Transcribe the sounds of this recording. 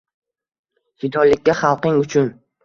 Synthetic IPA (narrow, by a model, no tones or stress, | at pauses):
hɪd̪ɒlɪkʲːaχɑlˠqɪŋʊt͡ʃʰʊn